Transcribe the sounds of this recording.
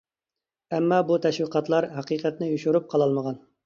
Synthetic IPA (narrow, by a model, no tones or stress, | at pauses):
ɛmːɑbut̪ʰɛʃwiqʰɑt̪lˠɑɾɦɑqiqʰɛt̪nɪjuʃuɾup̚qʰɑlˠɑlˠməʁɑn